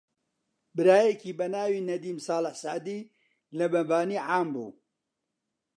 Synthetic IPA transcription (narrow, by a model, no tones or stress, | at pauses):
bɨɾaːjekʰiːbɐnaːwiːnɐd̪iːmsaːlɪħsaːd̪iː | lɐbɐbaːniːʕaːmbṵː